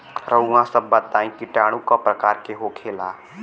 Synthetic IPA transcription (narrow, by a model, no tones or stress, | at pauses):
ɾəɦũãsəbːat̪ːãːĩkiʈaːɽ̃ũkapɾɐkaːɾkeɦokʰeːlaː